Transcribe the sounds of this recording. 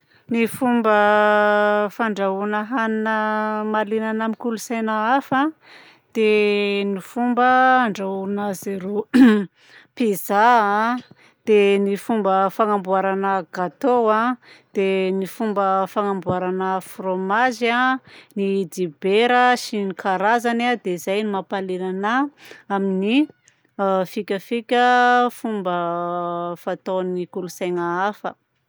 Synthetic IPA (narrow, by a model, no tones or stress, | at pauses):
nifumbə | faɳɖ͡ʐaunəɦaninəmalinanamikulusajnaafã | d̪̥enifumbəːɳɖ͡ʐaunazeɾu | pizaa | d̪̥enifumbəfaŋambuaɾanəɡ̥at̪owad̪̥enifumbəfaŋambuaɾanəfromaʒanid̪ibeɾəʃinikaɾazanad̪eizajnimapalelanaamini | fikʲəfikʲəfumbə | fat̪onikulusaŋaafə̰